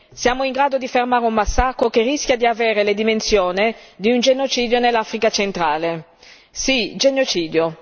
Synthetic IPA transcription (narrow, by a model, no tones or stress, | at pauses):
sjaːmoiŋɡɾaːd̪od̪ifermaːɾeummasːakɾokerːisk̟jad̪iaveːɾeled̪imensjoːnid̪iund͡ʒenot͡ʃiːd̪jonelːafɾikat͡ʃent̪ɾaːle | sid͡ʒenot͡ʃiːd̪jo